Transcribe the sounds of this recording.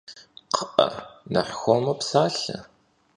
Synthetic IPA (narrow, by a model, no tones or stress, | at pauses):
qʰəʔɐ̰nɐ̰ħxʷɔmɐpsaːɬɐ̰